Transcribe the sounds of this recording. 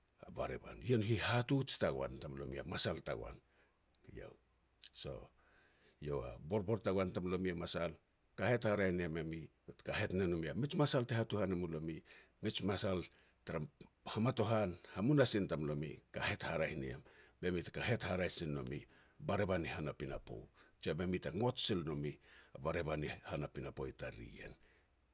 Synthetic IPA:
aba̰ɾḛba̰nienuɦihatut͡ʃi̥taɡ̰a̰ntamlo̞̰mḭa̰masalta̰ɡo̰a̰n | ja̰w | so̞̰ | jowa̰bo̞ɾbo̞ɾtaɡwantamlo̞miamasal | kahe̞thaɾahiniamemi | tkahe̞tnanumiamit͡ʃmasaltehatuhanamulo̞mimit͡ʃmasal | taɾahamato̞ɦanhamunasintamlo̞mḭkahe̞thaɾahinḭa̰mbe̞mitkaɦe̞thaɾasinːo̞̰mi | baɾeβanihanapina̰po̰t͡ʃabemitaŋo̞tsilno̞miabaɾebanihanapinapo̞̰jtaɾḭḛn

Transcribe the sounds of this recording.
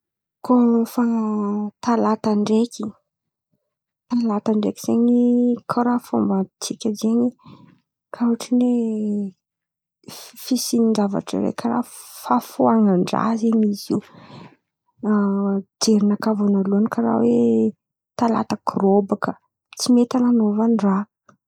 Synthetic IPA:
kʰofat̪alat̪aɳɖ͡ʐekʰʲi | t̪alat̪aɳɖ͡ʐekʲi̥z̥eɲikʰaɾafombat̪ikʲazeɲi | kʰauaʈ͡ʂine | fisiniɳzava̰ʈ͡ʂə̰ɾḛkʰaɾa̰ | fafuaŋaɳɖ͡ʐa̰zeɲizi | d͡ʒeɾinakavonaluankaɾa̰we | t̪ala̰t̪əkrobakə | t͡simet̪ananovanɖ͡ʐa

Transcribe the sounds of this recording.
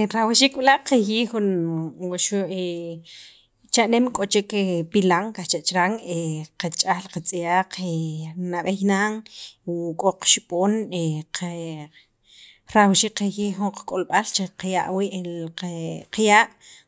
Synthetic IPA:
ɾawiʃikɓilaʔqejiːxunwaʃue | t͡ʃaʔnemkʼot͡ʃekepilaŋkaht͡ʃaʔt͡ʃɾaŋeqat͡ʃʼalqat͡sʼijaːq͡χenaɓejnaŋ | kʼoq͡χʃiɓʼoːneqʰe | ɾawʃikqejiːxuɴqḁkʼolɓalt͡ʃeqjaʔwiʔe | qjaːʔ

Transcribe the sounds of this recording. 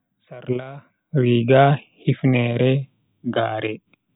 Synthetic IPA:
saɾla | ɾiɡahifnɛːɾɛ | ɡaːɾɛ

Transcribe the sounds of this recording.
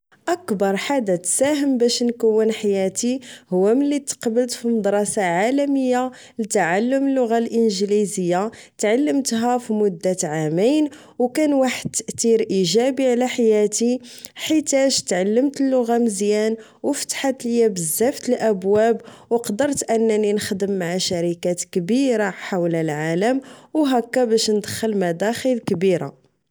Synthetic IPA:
ʔækbɑɾˤħad̪at̪sæɦəmbæʃnkəwːənħajæt̪ihʊwːæmənlːit̪ːqbəlt̪fimɑd̪ɾˤɑsaʕalæməjːa | lət̪aʕalːʊməlːʊɣalʔənʒlizəjːat̪ʕalːəmt̪ɦæfimʊd̪ːat̪ʕamijn | wkænwaħəd̪̚t̪ːəʔt̪iɾʔiʒæbiʕlæħajæt̪iħit̪æʒt̪ʕalːəmt̪əlːʊɣaməzjæn | wəfə̥t̪ħat̪ljæbəzːæft̪əlʔæbwæbwqd̪əɾˤt̪ʔənːæninəxd̪əmːaʕaʃæɾikæt̪kbiɾaħawləlʕaləmwɦækːæbæʃnəd̪əxəlmæd̪æxəlkbiɾa̰

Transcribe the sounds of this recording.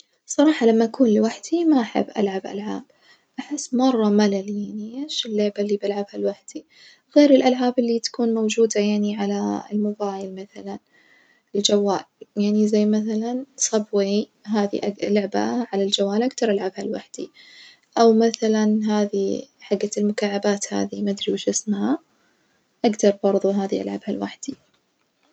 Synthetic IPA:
sˤɑɾˤɑːħɑlamːaʔakuːnlɪwaħd̪imaʔaħɪ̰bːʔa̰lʕabʔa̰lʕa̰ːb̥̚ | ʔaħɪsːmɑrˤːɑmalaljaʕniʔeːʃɪlːʊʕbalːibalʕabhalwaħd̪̥i | ɣeːɾɪlʔalʕaːbɪlːit̪ḁkuːnmowd͡ʒuːd̪ajaʕniʕala̰lmʊbaːjɪlmaθalan | ɪld͡ʒawːaːljaʕnizajːmaθalansˤɑbwiɦaːðḭʔalʊʕba̰ʕalald͡ʒawaːlʔaɡd̪ɑɾˤʔalʕabhalwaħd̪̥i | ʔawmaθalanɦaːðḭħaɡːalmʊkaːʕːabaːt̪ha̰ːðimad̪ɾiwʃɪsmha | ʔaɡd̪ɑɾˤbɑɾˤðˤuɦaːðiʔalʕabhalwa̰ħd̪̥i

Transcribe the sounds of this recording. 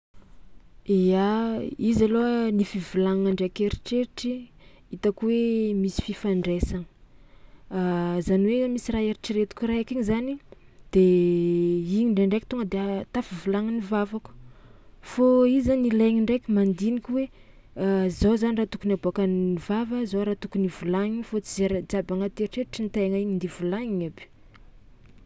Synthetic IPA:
eaizalonifivulaŋaɳɖ͡ʐeakeɾiʈ͡ʂeɾiʈ͡ʂi | it̪akwemisi̥fifaɳɖ͡ʐesaŋə̥ | azaniwemisiraeɾiʈ͡ʂiɾet̪u̥kʲuɾaakiɲizanid̪̥e | iɲiɳɖ͡ʐeɳɖ͡ʐeki̥t̪oŋəd̪eat̪afivulaŋinivavaku̥ | foizanileŋiɳɖ͡ʐekʲimand̪inikʲuwe | azozanirat̪ukunaboakanivavəzoɾat̪ukunivulaŋifot͡sizeɾd͡ʒabaŋat̪eɾʈ͡ʂeɾiʈ͡ʂinit̪eŋaiɲind̪ivulaŋiɲabi̥

